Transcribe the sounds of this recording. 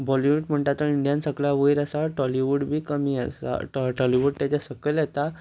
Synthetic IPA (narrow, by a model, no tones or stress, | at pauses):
bɔliʋuʈm̤əɳʈat̪əiɳɖijansəɡɭaʋəjɾasaʈɔliʋuɽbʱiːkəmiːasa̰ʈɔliʋuɖt̪at͡ɕasəkəljet̪a